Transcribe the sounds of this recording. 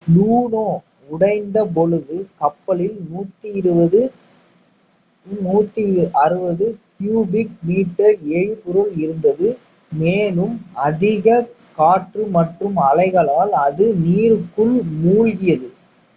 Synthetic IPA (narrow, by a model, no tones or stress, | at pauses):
luːnoː | ʊɽɐɪnd̪ɐp̬ɔɻɯðɯkɐpːɐlɪlnuːt̪ːijɪɾɯbɐðɯ | nuːt̪ːiʔɐɾɯbɐðɯpjuːbɪk̚miːʈːɐɾeɻpʊɾɯlɪɾɯnd̪ɐðɯ | meːlɯmɐðɪɣɐ | kaːʈrɯmɐʈrɯmɐlɐɪɣɐɭaːlɐðɯniːɾɯkːɯɭmuːɻɣɪjɐðɯ